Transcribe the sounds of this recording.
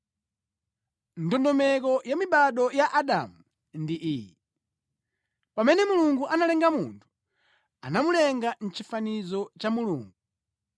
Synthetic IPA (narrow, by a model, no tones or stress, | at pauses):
ndɔndɔmɛkɔjamiɓaɗɔjaʔaɗa̰mu | ndiʔiːji | pamɛnɛmuluŋɡuʔanalɛŋɡamuntʰu̥ | a̰namulɛŋɡan̩t͡ʃifanizɔt͡ʃamuluːŋɡu